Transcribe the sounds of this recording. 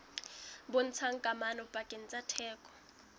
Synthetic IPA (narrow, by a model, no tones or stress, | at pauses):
bɔn̩t͡sʰaŋkʼamanɔb̥ʼakʼɛnt͡sʼatʰɛːkʼɔ̥